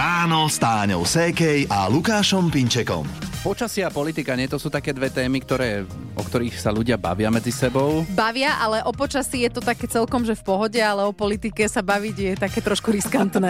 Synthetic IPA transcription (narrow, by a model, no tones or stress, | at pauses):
aːnɔst̪aːɲɔ̰ʊsɛːkɛjʔalukaːʃɔmpiɲt͡ʃɛkɔ̰mpɔt͡ʃasɪapɔlit̪ikaɲɪɛt̪ɔsuːt̪akɛːd̪ʋɛt̪ɛːmikt̪ɔɾɛː | ɔ̰kt̪ɔɾiːxsaʎuɟɪaba̰ʋɪamɛd͡zisɛbɔʊbaʋɪaʔalɛʔɔpɔt͡ʃasijɛt̪ɔt̪akɛːt͡sɛlkɔmʒɛfpɔɦɔɟɛalɛɔpɔlit̪ikɛsabaʋiɟjɛt̪akɛːt̪ɾɔʃkuɾiskant̪nɛː